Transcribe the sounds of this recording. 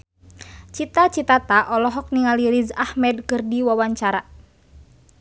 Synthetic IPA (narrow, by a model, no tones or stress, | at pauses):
t͡ʃit̪at͡ʃit̪at̪aʔɔlɔɦɔk̚niŋaliɾizahmɛd̚kɨrdiwawaɲt͡ʃaɾa